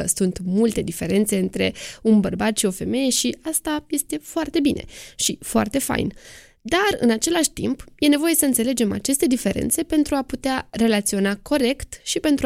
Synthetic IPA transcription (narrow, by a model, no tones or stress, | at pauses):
əsunt̪mult̪e̞d̪ife̞ɾe̞nt̪se̞ɨnt̪ɾe̞unbərbat̪ʃio̞fe̞me̞je̞ʃiast̪aje̞st̪e̞foart̪e̞binʔe̞̰ʃifoa̰rt̪e̞fa̰jn | d̪arɨ̰nat͡ʃe̞laʃʲt̪ḭmpje̞ne̞vo̞je̞səɨnt̪se̞le̞d͡ʒe̞ma̰t͡ʃe̞st̪e̞d̪ife̞ɾḛnt̪se̞pe̞nt̪ɾuaput̪eare̞lat̪sio̞nako̞ɾe̞kt̪ʃipe̞nt̪ɾ